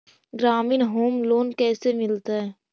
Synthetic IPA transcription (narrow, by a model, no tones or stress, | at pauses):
ɡɾaːminɦoːmloːnkɛːsemɪlt̪aɦɛː